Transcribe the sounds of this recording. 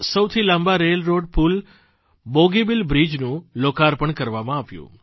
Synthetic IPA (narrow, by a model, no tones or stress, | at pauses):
səwt̪ʰilãmbaɾelɾoɖpul | boɡibilbɾid͡ʒnũlokaɾpəɳkəɾʋamãaʋjṵ̃